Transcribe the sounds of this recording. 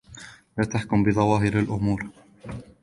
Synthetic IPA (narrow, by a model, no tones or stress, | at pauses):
laːt̪aħkʊmbɪðˤɑwɑːɦɪɾalʔʊmuːɾ